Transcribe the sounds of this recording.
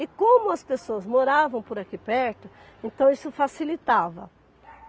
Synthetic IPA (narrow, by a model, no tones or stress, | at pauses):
ɪkõmʊɐspesoɐzmoɾavɐ̃w̃pʊɾakipɛɾt̪ʊ | ẽnt̪ɐ̃w̃isʊfasilit̪avɐ̰